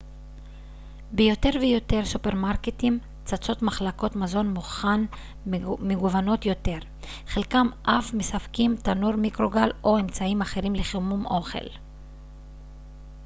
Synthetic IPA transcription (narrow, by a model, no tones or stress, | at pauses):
bejo̞te̞ʁvejo̞te̞ʁsupe̞ʁmaʁketim | t͡sat͡so̞tmaχlako̞tmazo̞nmuχan | meɡuvano̞tjo̞te̞ʁ | χelkamʔafmesafkimt̪anuʁmikʁo̞ɡalʔo̞e̞mt͡saimaχe̞ʁimleχemumo̞χe̞̰l